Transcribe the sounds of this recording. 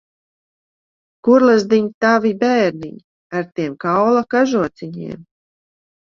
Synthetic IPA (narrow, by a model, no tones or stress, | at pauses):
kuɾlˠazd̪iɲt̪avibɛːɾnḭɲ | aɾt̪iɛmkawlˠakaʒuɔt̪siɲḭɛm